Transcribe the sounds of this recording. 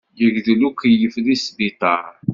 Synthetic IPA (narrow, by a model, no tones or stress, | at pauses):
jəʝðlukijəflisbit̪ˤɑɾ